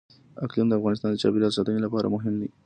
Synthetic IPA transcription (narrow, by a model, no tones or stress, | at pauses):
aklimd̪əafɣɑnɪst̪ɑnd̪ət͡ʃɑ̰biɾɑsat̪ənilapɑɾa̰mʊɦɪmd̪i